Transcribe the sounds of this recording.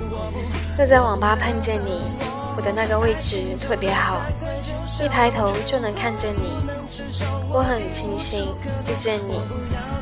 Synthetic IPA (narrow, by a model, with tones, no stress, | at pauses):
jo˥˧ʊt͡sa˥˩ɪwɑ˨˩ŋpa˥pʰa˥˧nt͡ɕjɛ˥˩nni˨˩˦ | wɔ˨˩d̪ə˦na˥˩ɡə˩we˥˩ɪʈ͡ʂɻ̩˨˩t̪ʰɤ˥˩pjɛ˧˥xɑ˨˩˦ʊ | i˥˩t̪ʰa˧˥ɪt̪ʰo˧˦˥ʊt͡ɕjo˥˩ʊnɤ˧˥ŋkʰa˥˧nt͡ɕjɛ˥˩nni˨˩˦ | wɔ˧˥xə˨˩nt͡ɕʰi˧˥ŋɕi˧˥ŋu˥˧t͡ɕjɛ˥˩nnḭ˨˩˦